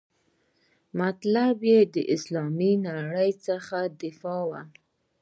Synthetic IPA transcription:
mat̪labjed̪əʔɪslɑminaɽəjt͡səxad̪ɪfɑwa

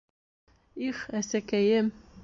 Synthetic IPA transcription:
iχæsækæjɘm

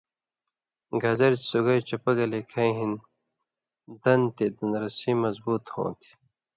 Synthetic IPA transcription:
ɡɐzɐɾt͡ɕsuɡɐjt͡ɕɐpɐɡɐlekʰɐĩɦin | d̪ɐnt̪ed̪ɐnɾɐsiːmɐzbuːt̪hõ̰ːt̪ʰi̥

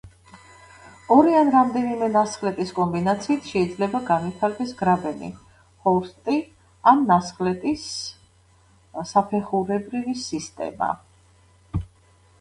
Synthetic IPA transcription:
ɔɾianɾamd̪ɛnimɛnasχlɛt̪ʼiskʼɔmbinat̪sʰiːt̪ʰʃɛid̪zlɛbaɡanipʰaɾɡɛsɡɾabɛnḭ | hɔɾst̪ʼi | anːasχlɛt̪ʼis | sapʰɛχuɾɛbɾivisist̪ʼɛ̰ma̰

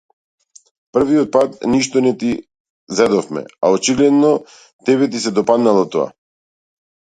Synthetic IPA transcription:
pr̩viɔt̪̚pat̪niʃt̪ɔnɛt̪i | zɛd̪ɔfmɛ̰aɔt͡ʃiɡlɛd̪nɔ | t̪ɛβɛt̪̬is̬ɛd̪ɔpad̪nalˠɔt̪ɔa̰

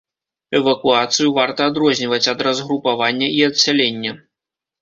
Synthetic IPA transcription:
ɛvɐkuat̪sɨjuvart̪ɐːd̪ɾɔzʲnʲivɐt͡sʲɐd̪rɐzɣɾupavanʲːɐiɐt̪sʲalʲenʲːɐ

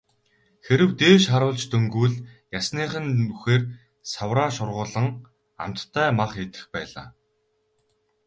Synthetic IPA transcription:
xeɾɘ̆wt̪eːʃχaɾʊːɮt͡ɕt̪ʰɵŋɡuːɮ | jasniːχɘ̆nuxeːr | sawraːʃʊrʁʊːɮə̆ŋ | a̰m̥t̪t̪ʰːæːmaχet̪ɘ̥̆xpæ̰ːɮa̰ː

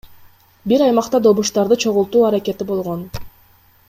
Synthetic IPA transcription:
biɾɑjmɑqt̪ɑd̪o̞βuʃt̪ɑɾd̪ɯt͡ʃʰo̞ʁulˠt̪uːɑɾake̞t̪ibo̞lˠʁo̞n

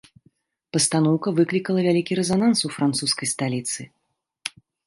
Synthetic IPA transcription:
pɐst̪anɔwkɐvɨklʲikɐlˠɐvʲalʲikʲiɾɛzanansufɾant̪suskɐjst̪alʲit̪sɨ

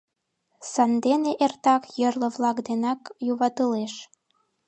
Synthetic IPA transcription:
sɑnd̪eneʔert̪ɑkjərlə̆βlɑkd̪enɑkjuβɑt̪əleʃ

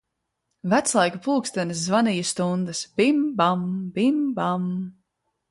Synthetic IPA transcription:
væt̪slˠajkupulˠkst̪anɨs̬zvanijusːt̪und̪ɨsbimbambimbam

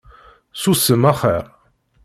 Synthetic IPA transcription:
susəmæχəɾ

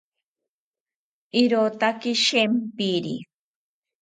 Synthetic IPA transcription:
iɾot̪akiʃempiɾḭ

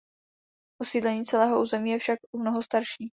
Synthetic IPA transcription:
posiːdlɛɲiːt͡sɛlɛːɦoʔuːzɛmiːjɛfʃak̚ʔumnoɦost̪aɾʃiː

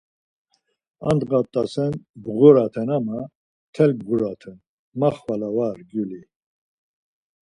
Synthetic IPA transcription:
a̰nd̪ɡat̪ʼːasɛnbʁuɾat̪ʰɛnama | t̪ʰɛlbʁuɾat̪ʰɛn | maχvalavaɾɡuli

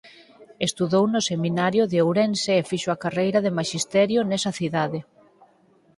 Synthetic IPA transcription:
est̪uðownʊseminaɾjoðeowɾɛnseːfiʃoakarejɾaðemaʃist̪ɛɾjonɛsɐθiðaðe

